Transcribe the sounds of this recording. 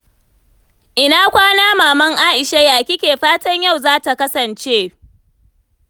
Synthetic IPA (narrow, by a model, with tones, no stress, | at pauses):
ʔɪ˨naː˦kʷaː˦naː˦maː˨mɐ˦ŋʔaː˦ʔɪ˨ʃa˦jaː˨kʲɪ˦kʲeː˨ɸaː˦tɐ˦ɲja˦˨wzaː˦ta˨kɐ˦sɐ˨nt͡ʃeː˦